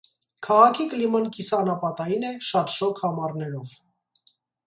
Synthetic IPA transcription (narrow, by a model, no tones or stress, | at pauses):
kʰɑʁɑkʰikəlimɑnkisɑnɑpɑt̪ɑjinɛʃɑt̪ʃɔkʰhɑmɑrnɛɾɔv